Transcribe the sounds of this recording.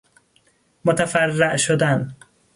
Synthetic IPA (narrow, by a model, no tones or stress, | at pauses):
mot̪ʰæfærːæʔʃod̪æn